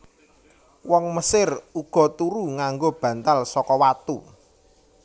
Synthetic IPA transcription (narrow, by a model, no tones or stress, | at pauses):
wɔŋməsɪruɡ̥ɔ̤t̪uɾuŋaŋɡob̥ä̤nt̪alsɔkɔwat̪u